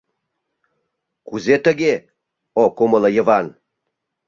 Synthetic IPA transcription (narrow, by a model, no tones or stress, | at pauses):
kuzet̪əɡʲe | okomələjə̆vɑn